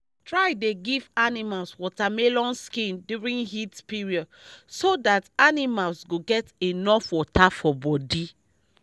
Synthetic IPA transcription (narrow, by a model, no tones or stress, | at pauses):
tɹajdeɡivanimalswɔtamelɔ̃nskĩnduɹĩnhitpiɹiɔd | sodatanimalsɡoɡɛtenɔfwɔtafɔbɔdi